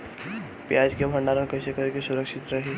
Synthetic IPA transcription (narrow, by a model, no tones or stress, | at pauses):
pjad͡ʒkebʱəɳɖaɾənkəjsekəɾekesʊɾəkʃɪt̪ɾɐɦe